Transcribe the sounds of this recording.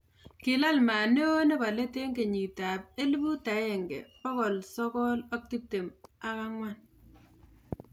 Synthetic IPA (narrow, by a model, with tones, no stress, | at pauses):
kɪ˨la˦lma˨ne˦o˦ne˦pa˨le˦te˦ŋɡe˨ɲi˨ta˨p̚e˦li˦bu˦ta˨˦je˨ŋɡḛ˨pɔ˦kɔ˨lsɔ˦kɔ˦lɔ˦k̚ti˦p̚te˨ma˦ka˦ŋwa˦˨n